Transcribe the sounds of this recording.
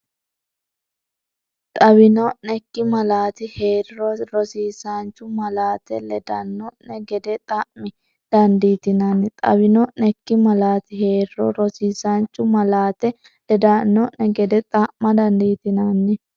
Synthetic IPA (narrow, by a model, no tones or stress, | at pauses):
t̪ʼɐbɪnɔʔnɛkːɪmɐlaːt̪ɪheːɾɪɾɔɾɔsiːsant͡ʃːʊmɐlaːt̪ɛlɛd̪ɐnːɔnɛɡɛd̪ɛt̪ʼɐʔmɪ | d̪̥ɐnd̪iːt̪ɪnanːɪt̪ʼɐ̰bɪnɔʔnɛkːɪmɐlaːt̪ɪhe̞ːɾɪɾɔɾɔsiːsant͡ʃʼːʊmɐlaːt̪ɛ | lɛd̪anːɔʔɛɡɛd̪ɛt̪ʼaʔmɐd̪ɐnd̪iːt̪ɪnanːɛ